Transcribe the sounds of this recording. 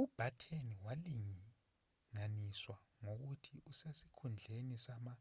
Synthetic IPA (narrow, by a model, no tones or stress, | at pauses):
ub̥ʱatʰeniwaliŋi | ŋaniswa | ŋoɣ̬utʰiʔusesi̥kʰund͡ɮʱenisama